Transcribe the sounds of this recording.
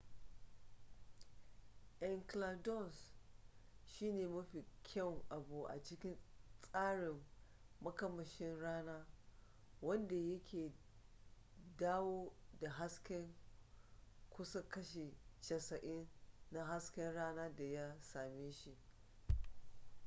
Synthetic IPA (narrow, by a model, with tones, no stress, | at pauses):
ʔɛ˨ŋkla˨dɔ˦˨ns | ʃiː˦neː˨mɐ˦ɸi˨kʲʰɐ˦˨ŋʔa˨bu˨ʔa̰˨t͡ʃɪ˦kʲɪ˦nsʼaː˦ɽɪ˨mː | ɐ˦kɐ˦mɐ˨ʃɪ˦nɽaː˦naː˦ | wɐ˦nda˨jɐ˦kʲʰeː˨ | daː˦woː˦da˨ɦa˦skʲɛ˦ŋ | kʷʊ˦sa˦kɐ˦ʃe˨t͡ʃɐ˨sɐ˨ʔɪ˦nːa˦ɦa˦skʲɛ˦nɽaː˦naː˦da˨ja˦saː˨meː˦ʃi˦ʔ